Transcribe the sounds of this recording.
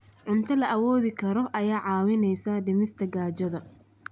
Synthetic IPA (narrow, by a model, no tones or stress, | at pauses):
ʕʊnt̪ʰɐlɐʔɐwɔːðɪkʰɐɾɔʔɐjaːʕɑːwɪnɛjsaːd̪ɪmɪst̪ʰɐɡaːt͡ʃɐðɐ